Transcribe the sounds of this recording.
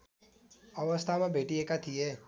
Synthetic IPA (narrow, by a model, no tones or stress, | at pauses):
ɐʋəst̪ʰamẽbeːʈiɦekat̪ʰiɦɛː